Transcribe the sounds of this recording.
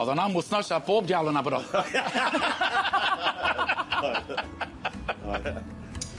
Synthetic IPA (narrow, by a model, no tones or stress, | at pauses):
ɔðɔnamʊθnɔsaboːb̚djawlˠənabəɾɔ